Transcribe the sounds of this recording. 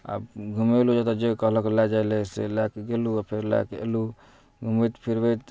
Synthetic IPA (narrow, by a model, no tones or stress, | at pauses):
a̰bɡʱumelud͡ʒat̪ɔd͡ʒekəɦləkelad͡ʒajlesḛlakɡeluapʰeɾla̰kḛlu | ɡʱumət̪pʰiɾbet̪